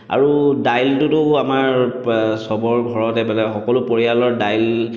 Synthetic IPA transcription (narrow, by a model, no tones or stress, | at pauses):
a̰ɹudajltʊtʊamaɹsɔbɔɹɡʱɔɹɔtɛmanɛxɔkɔlʊpɔɹijalɔɹdajl